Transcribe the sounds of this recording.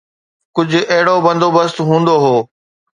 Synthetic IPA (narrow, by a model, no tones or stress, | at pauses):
kʊd͡ʑʱʊ̆ɛɦɪɽobɐ̃nd̪ʱoːbəst̪ɦũːnd̪oɦoː